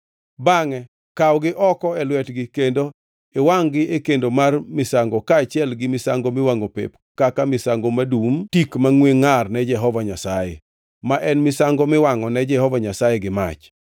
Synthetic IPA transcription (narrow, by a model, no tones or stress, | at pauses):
baŋɛ | kawɡɪʔɔkɔɛlwɛtɡɪkendo | ewaŋɡɪʔekendomarmɪsaŋɡɔkaːt͡ʃɪɛlɡɪmɪsaŋɡomɪwaŋopḛp | kakamɪsaŋɡomadumtikmaŋweŋarnɛd͡ʒɛɦɔvaɲasajḛ | maʔɛnmɪsaŋɡomɪwaŋɔnɛd͡ʒɛhɔvaɲasajeɡɪma̰t͡ʃ